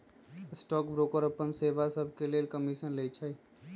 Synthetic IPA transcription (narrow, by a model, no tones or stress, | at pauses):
ɪsʈɔːkbɾoːkəɾəpːənseːʋasəbʱkeleːlkəmiʃənlet͡ʃʰəi